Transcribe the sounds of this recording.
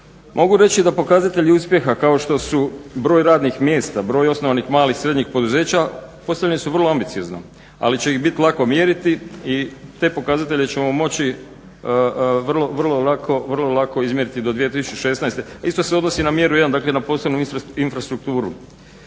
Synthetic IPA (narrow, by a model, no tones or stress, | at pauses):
mʔo̞ɡuɾe̞t͡ɕid̪apo̞kazat̪e̞ʎiuːspje̞xakao̞ʃt̪o̞subɾo̞ːjɾaːd̪nixmje̞ːst̪abɾo̞ːjo̞snoʋanixmaːlixsɾe̞d̪ɲixpo̞d̪uze̞ːt͡ɕapo̞saʎnesuʋər̩lˠo̞ambit̪sio̞zno̰ | a̰lit͡ɕe̞ixbit̪ilˠako̞mjeɾit̪iit̪e̞ːpo̞kazat̪e̞ʎe̞t͡ɕe̞momo̞t͡ɕi | ʋrlˠo̞ʋrlˠo̞lakʰo̞ʋərlˠo̞lako̞izmje̞ɾit̪id̪od̪ʋije̞t̪isu̥t͡ʃeʃe̞snajst̪e̞aist̪o̞seo̞d̪nosinamje̞ɾujeand̪aːkle̞napo̞ːsleʋnuiinfɾast̪ɾuk̚t̪uːɾṵ